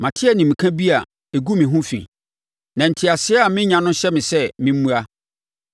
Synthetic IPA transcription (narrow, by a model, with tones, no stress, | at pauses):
mã˨tʰɪ˦a˦nĩ˨mĩ˨kʰã˦bi˦a˨ | e˨ɡu˦mĩ˨ɦũ˦fḭ̃˨ | nã˨n̩˨tʰɪ˨a˨sɪ˦ɛ˦a˨mɪ̃˦ɲã˨nʊ̃˦ɕɛ˦mɪ̃˨sɛ˦mɪ̃˦m̩˦mũ˦a˦